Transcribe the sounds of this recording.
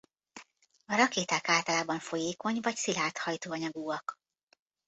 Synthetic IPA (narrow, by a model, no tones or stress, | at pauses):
ɒɾɒkeːt̪aːkaːlt̪ɒlaːbɒɱfo̞jeːko̞ɲvɒcsilaːt̪hɒjt̪oːɒɲɒɡuːɒk